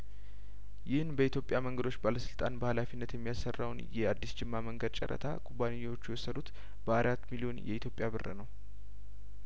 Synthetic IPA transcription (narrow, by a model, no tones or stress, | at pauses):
jɪhɨnbəit̪jo̞pʼjaməŋɡəd̪o̞t͡ʃːbaləsɨlt̪ʼanbəhalafinːət̪jɛmːijasːərːawnjɛad̪ːisd͡ʒɪmːaməŋɡəd̪̚t͡ʃʼə̰ɾʔə̰t̪ʰa̰kʼubːanejːwo̞t͡ʃːujɛwosːəd̪ut̪ | b̥əaɾat̪ːmilio̞njʔɛ̰it̪jo̞pʼjaβɨrːə̰nəw